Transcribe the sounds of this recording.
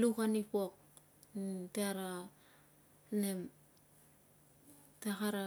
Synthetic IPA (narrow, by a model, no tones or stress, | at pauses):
lukanipok̚ | teaɾa | nem | takaɾa